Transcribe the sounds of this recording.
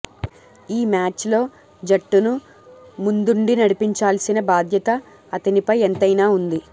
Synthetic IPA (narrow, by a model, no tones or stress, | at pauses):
iːmaːt͡ʃlo̞ː | d͡ʒɐʈːunu | mund̪uɳɖinɐɽipiɲt͡ʃaːlsinɐbaːd̪ʱjɐt̪ɐː | t̪ɐnipɐjent̪ɐjnaːund̪i